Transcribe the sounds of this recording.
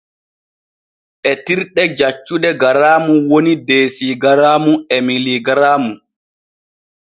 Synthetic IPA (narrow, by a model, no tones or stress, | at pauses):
ʔɛtiɾɗɛd͡ʒat͡ʃːudɛɡaɾaːmuwonideːsiɡaɾaːmuɛmiliɡaɾaːmu